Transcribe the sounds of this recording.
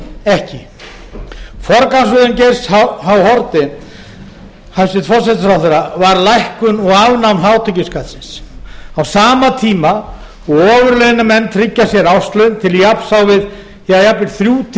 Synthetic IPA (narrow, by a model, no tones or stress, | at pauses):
ɛhcɪ | fɔɾkansʏðɪncejɾshawɦawhɔɾt̪ɪ | hajsɪt̪fɔrsɛt̪fɾawθɛɾavaɾlajhkʏnɔɣavnawnɦawt̪ʰɛcɪskat̪sɪnsawsaːmat̪ʰiːma | ɔɣɔːvʏɾlɛðnɪmɛnːt̪ʰɾɪcːasjɛɾawst̪lʏnt̪ʰɪljapsawvɪð | θɛðjaplɪɾ̥θɾjuːt̪ʰ